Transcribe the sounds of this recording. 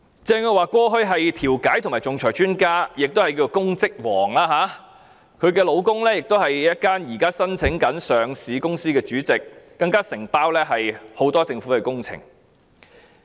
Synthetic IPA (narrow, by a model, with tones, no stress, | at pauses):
t͡sɛː˧ŋɔ˧waː˨kʷɔː˥ɦɵ˥ɥɦɐ˨jt̪ʰiː˨˩wkaː˨˥jt̪ʰʊ˨˩maː˨˩t͡sʊ˨ŋt͡sʰɔː˨˩jt͡ʃyː˥nkaː˥jɪ˨k̚t̪o˥hɐ˨jkiː˧˩o˨˧kʊ˥ŋt͡sɪ˥k̚wɔː˨˩ŋlaː˥ɦaː˨˥ | kʰɵ˨˧ɥkɛː˧lo˨˧wkʊ˥ŋlɛː˥jɪ˨k̚t̪o˥whɐ˨jjɐ˥t̚kaː˥njiː˨˩kaː˥sɐ˥nt͡sʰɪ˨˥ŋkɐ˨˥nsœː˨ŋsiː˨˥kʊ˥ŋsiː˥kɛː˧t͡ʃyː˨˥t͡sɪ˨kːɐ˧ŋkaː˥sɪ˨˩ŋpaː˥wlɛː˥ɦɐ˨jho˨˥wt̪ɔː˥t͡sɪ˧ŋfuː˨˥kɛ˧kʊ˥ŋt͡sʰɪ̰˨˩ŋ